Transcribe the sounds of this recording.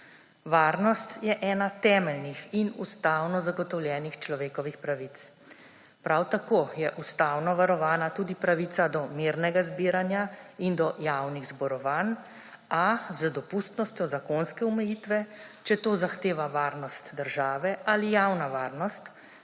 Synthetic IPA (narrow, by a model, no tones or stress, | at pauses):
ʋaːɾnɔst̪jɛʔɛːnat̪ɛːmɛlnixinust̪aːwnɔzaɡɔt̪ɔwljɛːnixt͡ʃlɔʋeːkɔʋixpɾaʋit̪s | pɾawt̪akoːjɛʔust̪awnɔʋaɾɔʋaːnat̪uːd̪ipɾaʋit̪sad̪ɔmiɾnɛɡazbiːɾanjaind̪ɔjawniɣzbɔɾɔʋan | azəd̪ɔpust̪nɔst̪jɔzakoːnskɛumɛjiːt̪ʋɛt͡ʃɛt̪oːzaxt̪eːʋaʋaːɾnɔst̪d̪əɾʒaːʋɛʔalijawnaʋaːɾnɔst̪